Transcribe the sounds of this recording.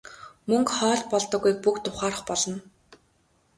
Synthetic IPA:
mɵŋkχɔːɮpɔɮt̪ɞ̆ɣujk̚pukt̪ʊχaːrə̆χpɔɮɞ̆n

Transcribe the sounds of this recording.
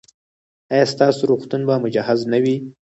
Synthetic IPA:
ajɑst̪ɑsoɾuxt̪unbamʊd͡ʒahaznawi

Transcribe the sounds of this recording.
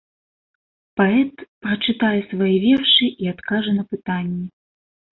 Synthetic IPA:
paɛt̪pɾɐt͡ʂɨt̪ajɛsvajivʲɛrʂɨʔiat̪kaʐɐnɐpɨt̪anʲːɛ

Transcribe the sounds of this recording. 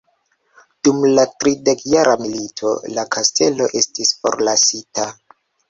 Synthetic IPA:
d̥umlatɾide̞kjaɾamilitʰo̞̰lakʰastʰe̞lo̞ʔe̞stisfo̞̰ɾlasita

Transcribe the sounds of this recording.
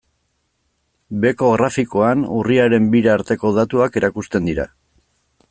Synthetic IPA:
be̞ko̞ɣɾafiko̞anuriaɾe̞mbiɾaaːɾt̪e̞ko̞ðat̪uake̞ɾʔakust̪e̞nd̪iɾa̰

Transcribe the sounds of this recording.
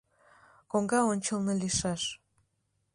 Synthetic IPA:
koŋɡɑonʲt͡ɕəlˠnɤliʃɑʃ

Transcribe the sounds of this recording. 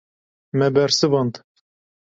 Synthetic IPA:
mɛbɛɾsɨvɑnt̪

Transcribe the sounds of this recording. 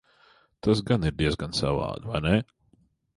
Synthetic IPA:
t̪as̬ɡaniɾd̪iɛzɡansa̰va̰ːd̪vajnɛ

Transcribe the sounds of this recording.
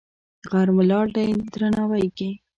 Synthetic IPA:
ɣaɾmʊlɑɖajd̪ɾanɑwajke

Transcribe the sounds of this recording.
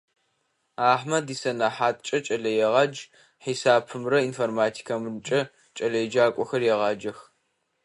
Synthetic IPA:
aːħmɐdiːsɐnaːħaːtʼt͡ʃʼɐt͡ʃʼɐɮɐjɛʁɑd͡ʒ | ħisaːpʰɨmrɐinformaːtʰi̥kʰɐmrt͡ʃʼɐ | t͡ʃʼɐɮɐjd͡ʒaːkʷʼɔxɐrjɛʁɑːd͡ʒɐx

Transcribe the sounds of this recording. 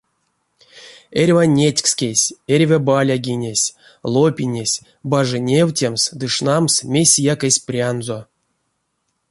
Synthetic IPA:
erʲvanʲetʲkskʲesʲerʲvʲabalʲaɡʲinʲesʲ | lˠopʲinʲesʲ | baʐɨnʲewtʲemsd̪ɨʂnamsmʲesʲijakesʲprʲanzo

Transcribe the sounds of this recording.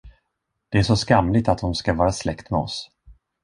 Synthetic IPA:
d̪̥ɛæʂɔskamlɪt̪at̪̚dʊmskavɑːɾaslɛkt̪mɛɔ̰s

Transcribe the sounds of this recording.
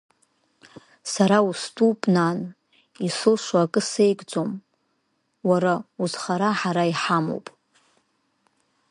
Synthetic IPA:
saɾaustʼupʼnan | isɨlʂʷaakʼɨse̞jkʼd͡zom | waɾauzχaɾaħaɾaiħamo̰wpʼ

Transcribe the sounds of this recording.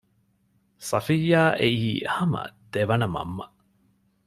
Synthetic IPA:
sɐfijaːʔeiːhɐmɐ̰d̪̥eʋɐnɐmɐ̰mːɐ

